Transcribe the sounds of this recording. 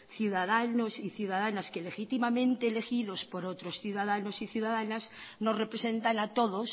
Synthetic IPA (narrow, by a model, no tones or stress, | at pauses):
θjuðaðano̞siθjuðaðanaske̞le̞xit̪imamẽ̞nt̪eːle̞xiðo̞spo̞ɾot̪ɾo̞sθjuðaðano̞siθjuðaðanazno̞zre̞pɾe̞se̞nt̪anat̪o̞ðo̞s